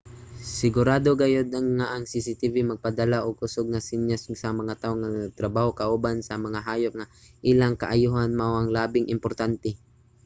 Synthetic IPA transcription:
sɪɡʊɾaːd̪oɡɐjod̪̚ŋaʔɐŋsisit̪ivimɐɡ̚pɐd̪ɐlaʔoɡ̚pʊsoɡ̚nɐsɪnjassɐmɐŋat̪aoŋːɐɡ̚t̪ɾɐbaːhokɐʔuːbansɐmɐŋaɦaːjʊk̚ŋa | ʔilaŋkɐʔajuːɦanmawʔɐŋlaːbɪŋʔɪmpoɾt̪ant̪ɛ

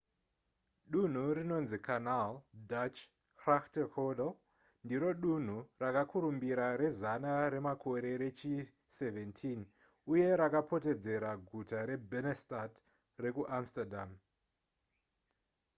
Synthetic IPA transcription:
ɗun̤urino̞nzikʰanaldat͡ʃ | kraktekoɗo | ndiɾo̞ɗun̤urakakʰuɾumbiɾaɾe̞zanaɾe̞makʰo̞ɾe̞ɾe̞t͡ʃi | se̞ve̞ntʰin | uje̞ɾakapʰo̞te̞d͡ze̞ɾaɡʱutaɾe̞bʱenestat | re̞kuʔamstadam

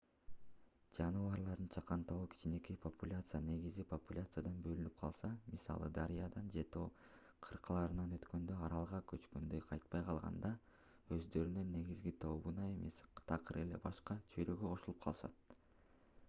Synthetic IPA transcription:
d͡ʒɑnɯvɑɾlˠɑɾd̪ɯnt͡ʃʰɑqɑnt̪oʁukʰi̥t͡ʃine̞kipʰopulʲat̪sɨjane̞ɡizipʰopulʲat̪sɨjad̪ɑnbø̞lynyp̚qʰɑlˠsɑmisɑ̰lˠɯ̰d̪ɑɾijɑd̪ɑnd͡ʒe̞t̪oː | qʰɯɾqɯlˠɑɾɯnɑnø̞t̪kø̞nd̪øɑɾɑlˠʁɑkøt͡ʃkø̞nd̪øjqʰɑjt̪̚pɑjqʰɑlˠʁɑ̰nd̪ɑ | ø̞zd̪ø̞ɾynønːe̞ɡizɡit̪ʰo̞βunɑe̞me̞st̪ʰɑqɯɾe̞le̞̰bɑʃqɑt͡ʃʰøjɾøɡøqʰo̞ʃulˠupqʰɑ̰lˠʃɑ̰t̪̚

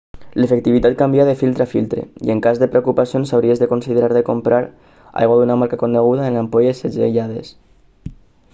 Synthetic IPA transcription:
lefek̚t̪iβit̪at̪̚kambiaðefilˠt̪ɾafilˠt̪ɾḛḭeŋkazðepɾeokupasionsawɾiezðekonsiðeɾaɾðekompɾaɾ | a̰jɣwaðunamaɾkakonːeɣ̞uðaenampojesːed͡zḛʎaðes

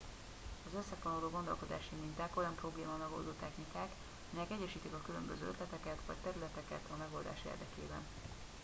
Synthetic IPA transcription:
ɒzøsːɛfonoloːɡo̞nd̪o̞lko̞d̪a̰ːʃimint̪æko̞jɒmpro̞bleːmaːmɛɡo̞̰ld̪oːt̪ɛxnikaːk | ɒmɛjɛkɛɟːɛʃiːt̪ikɒkylømbøzø̰ːøt̪lɛt̪ɛkɛt̪ʋɒ̰ct̪ɛɾylɛt̪ɛkɛt̪ʰɒmɛɡo̞ld̪a̰ːʃḛːrd̪ɛkeːbɛ̰n

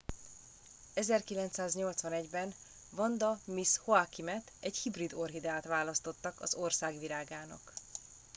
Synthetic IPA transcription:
ɛzɛrkilɛnt̪saːzɲo̞lt̪sʋɒnɛɟbɛn | vɒnd̪ɒmishoakimɛt̪ɛɟhibrid̪o̞rɦid̪aːt̪ʋaːlɒst̪o̞t̪ːɒkɒzo̞rsaːɡʋilaːɡaːnɒ̰k

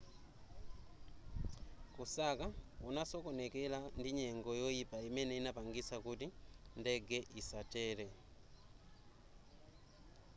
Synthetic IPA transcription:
kusakaunasokonɛkɛlandiɲɛŋɡɔjɔjipaimɛnɛinapaŋɡisakutindɛɡɛʔisatɛlɛ

